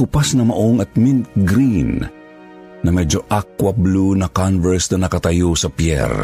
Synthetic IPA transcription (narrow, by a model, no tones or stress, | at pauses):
ʊpasnɐmɐʔoŋɐt̪̚minɡɾinː | ɐmɛd͡ʒoʔak̚wɐblunɐkanvɛɹsnɐnɐkɐt̪ɐjosɐpjɛ̰ɾ